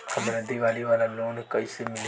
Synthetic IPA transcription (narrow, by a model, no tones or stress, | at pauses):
əbɾəd̪iːʋaːliːʋaːlaːloːnekəiːseːmɪl